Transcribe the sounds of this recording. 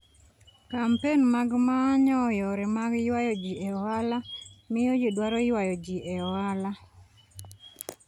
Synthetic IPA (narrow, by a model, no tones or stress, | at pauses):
kampenmaɡmaɲɔjɔɾɛmaɡjwajɔd͡ʒiɛɔwalamɪjojidwaɾɔɪwajɔd͡ʒiʔɛɔwala